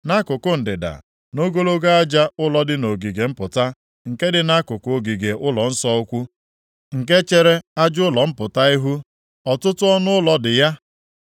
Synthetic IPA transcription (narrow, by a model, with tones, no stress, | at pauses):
na˦kʊ˨kʊ˦n̩˨dɪ˨da̰˨ | no˦ɡo˦lo˦ɡa˦a˦d͡ʒa˦ʊ˦lɔ˨dɪ˦no˨ɡi˨ɡe˨m̩˦pʊ˨ta˦ | ŋ̩˨ke˦dɪ˨na˦kʊ˨kʊ˨o˨ɡi˨ɡe˨ʔʊ˦lɔ˨n̩˦sɔ˦ʊ˦kʷu˦ | ŋ̩˨k̬e˦t͡ʃe˦ɾe˦a˦d͡ʒʊ˦lɔ˨m̩˦pʊ˨ta˦i˦ɦu˦ | ɔ˨tʊ˦tʊ˦ɔ˦nʊ˦ʊ˦lɔ˨dɪ˨ja˦